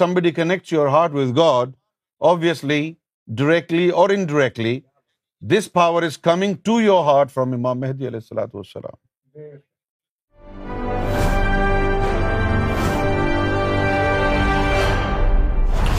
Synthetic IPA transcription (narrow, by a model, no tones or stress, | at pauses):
ʌ̃mbəɖikənɛk̚ʈsjoɾɦaːɾʈwɪðɡɔːɖ | ɔːbʋiəsli | ɖəɾɛk̚ʈliɔːɾɪ̃nɖəɾɛk̚ʈli | d̪ɪspaʊəɾɪzkʌmɪ̃ŋʈujɔɾɦaːɾʈfɾɔ̃mɪmãːmːɛɦd̪iɐlɛːɪsːɐla̰ːt̪uʋə̰sːə̰lã̰ːm